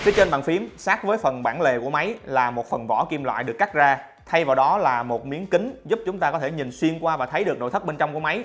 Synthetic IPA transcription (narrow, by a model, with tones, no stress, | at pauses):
fi˨˦t͡ɕe˧nɓa̰ː˧˨nfi˨˦əmsaː˦˥k̚vəː˨˦jfə˨˩nɓaː˧˩nle˨˩ku˧˩əma˨˦jlaː˨˩mo˨˩t̚fə˨˩nvɔ̰˧˩ki˧mlwa̰ː˧˨jɗɨ˨˩əkːa˦˥zaː˧ | t̪ʰa˧jvaː˨˩wɗɔ˨˦laː˨˩mo˨˩t̚mi˨˦ənkï˨˦ŋ̟zʊ˦˥p̚t͡ɕʊ˨˦ŋ͡mt̪aː˧kɔ˨˦t̪ʰe˧˩ɲi˨˩nswi˧ənkwaː˧vaː˨˩t̪ʰə˨˦jɗɨ˨˩ək̚no̰˧˨t̪ʰə˦˥ɓe˧nt͡ɕɔ˧wŋ͡mku˧˩ma˨˦j